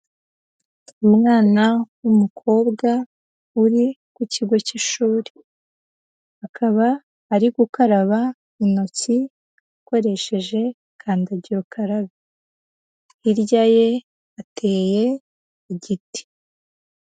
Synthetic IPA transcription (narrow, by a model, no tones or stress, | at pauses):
umŋaːnawumukʰo̞ːbɡa | uɾikuciɡo̞ciʃuːɾe | hakʰaβaː | ɾiɡukaɾaβa | ino̞t͡si | ako̞ɾe̞ʃe̞ʒe̞ | kʰaːndaɟiɾokʰaɾaβi | iɾɟaje̞ | ate̞ːje̞ | iɟiti̥